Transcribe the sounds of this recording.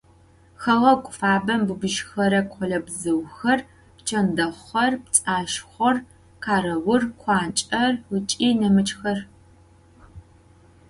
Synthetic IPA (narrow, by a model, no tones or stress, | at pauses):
xɐʁɐkʷʼʊfaːbɐmbɨbɨʒxɐɾɐkʷʰɔɮɐbzɨwxɐr | pt͡ʃʰɐndɐχʷɐrp̚t͡sʼaːʃχʷɔr | qʰaːɾɐwʊrkʷʰɑːnt͡ʃʼɐrwʊt͡ʃʼiːnɐmɨt͡ʃʼxɐr